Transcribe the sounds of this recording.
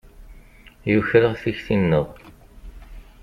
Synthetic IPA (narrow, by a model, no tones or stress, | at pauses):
jʊçɾəʁθiçθinːəʁ